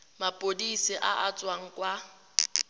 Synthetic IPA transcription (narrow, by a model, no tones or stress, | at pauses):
mapʼodisiʔaʔat͡sʼwaŋ̩kʼwa